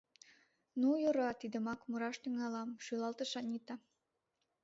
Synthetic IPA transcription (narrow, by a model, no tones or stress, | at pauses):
nujoɾɑt̪id̪ə̆mɑkmuɾɑʃt̪yŋɑlɑmʃylɑlt̪ɤ̆ʃɑnʲit̪ɑ